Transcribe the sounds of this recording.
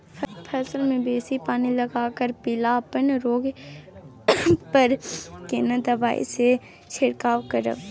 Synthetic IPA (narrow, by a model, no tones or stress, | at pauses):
pʰɛːsəlmẽbeːsipaːnilɐɡaːkəɾpɪlaːpənɾoːɡ | pəɾkenəd̪əbaːḭse | t͡ʃʰɪɽkaːwkəɾə̰ʋ